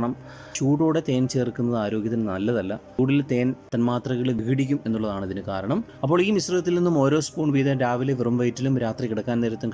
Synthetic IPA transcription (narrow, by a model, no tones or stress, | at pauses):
ɳɐm | t͡ɕuːɽoːɽe̞t̪e̞ːnt͡ɕe̞ːrkːunːɐðɨaːɾo̞ːɡʲjɐt̪ːinnɐlːɐðɐlːɐ | uːɽilt̪e̞ːnt̪ɐnmaːt̪rɐɣɐɭʋikiɽik̬ʲːume̞nːuɭːɐðaːɳɐðinɨkaːɾɐɳɐm | ɐp̬ːo̞ːɭiːmisrɐðɐt̪̬ːilninːumo̞ːɾo̞ːspuːɳʋiːðɐɾaːʋileʋirɐmʋɐjtːilumɾaːt̪rikiɽɐkːaːnejɾɐt̪ːuk